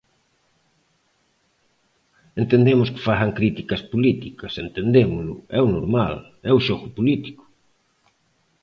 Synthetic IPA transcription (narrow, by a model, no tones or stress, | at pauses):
ent̪end̪emʊskɪ̥faθɐŋkɾit̪ikɐspolit̪ikɐsent̪end̪emʊlʊ̰ɛwnoɾmal | ɛʊʃoɣʊpolit̪i̥kʊ̥